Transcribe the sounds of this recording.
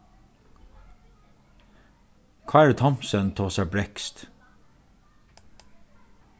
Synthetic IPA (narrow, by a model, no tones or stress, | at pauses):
kʰɑːæːɹt̪ʰɔmsənt̪ʰoːsɑbɾɛkst̪